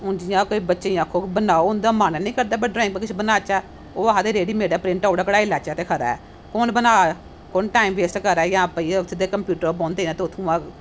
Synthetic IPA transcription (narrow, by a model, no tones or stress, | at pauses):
ʊnd͡ʒɪjãːkoiːbətːʃeĩaːkʰoːbənaːoʊnd̪aːmaːnɛːnĩːkəɾd̪aːbəɖɾɛ̃ːŋk̚bəkɪt͡ʃːbənaːt͡ʃaː | oːaãd̪eːɾeːɽiːmeːɽaːpɾɪ̃ɳʈːoːɽaːkəɽaːilaːt͡ʃaːt̪eːkʰəɾa̰ːɛ̰ː | konbənaː | kʊnʈaːimʋeːsʈkəɾɛːjãːpəiːʊt̪ʰːed̪eːkəmpjuːʈəɾoːbɔ̃ːnd̪eiːnãːt̪eʊt̪ʰũːãː